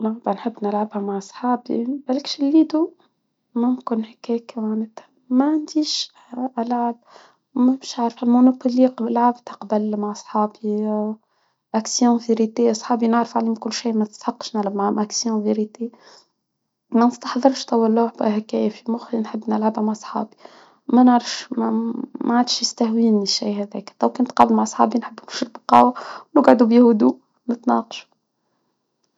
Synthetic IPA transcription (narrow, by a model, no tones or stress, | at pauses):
laʕbanħɪbːnəlʕabhæmaʕɑsˤħɑːbḭbælkʃɪlːiːd̪u | mʊmkʊnhækɛːkmanæt̪hæ | mæʕand̪iːʃ | ʔælʕab̚ | mæmʃaʕɾfhælmonopoliqlʕabt̪ɑqbælmaʕsˤħɑːbi | ʔæksjõveɾit̪eʔɑsˤħɑːbinəʕɾfʕaliːmkʊlːʃiːmæt̪ɪ̥st̪ħɑqːʃnalʕabmaʕʊmʔæksjõveɾit̪e | mænəst̪ɑ̥ħðˤɨɾˤʃt̪ɑwælːuħbæ̰hækɛːfimʊxlinħɪbːnəlʕabmaʕsˤħɑ̰ːbi | mænəʕɾɑfʃmmaʕad̪ʃjəst̪æhwiːnəʃiːhæðɛːkt̪æwkænt̪qɑːblmaʕsˤħɑ̰ːbinħəbːnʊʃɾbqɑ̰ːwænʊɡʕad̪ubihʊd̪u | nət̪nɑ̰ːqɑ̥ʃu̥